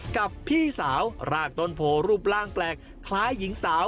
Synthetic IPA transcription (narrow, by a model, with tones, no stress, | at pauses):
ka˨˩pʰːiː˥˩saː˩˦˥wɾaː˧˩k̚t̪o˧˥˩npʰoː˨˧˩ɾuː˥˩p̚laː˥˩ŋplɛː˨˩k̚ʰːlaː˦˥jːi˩˦ŋsaː˩˦w